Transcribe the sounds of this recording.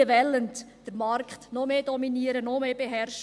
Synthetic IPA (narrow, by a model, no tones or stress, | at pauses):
əʋɛlːəntd̥əɾmɑɾkχtnɔmeːdɔminiəɾənɔmeːbeɦɛrʃ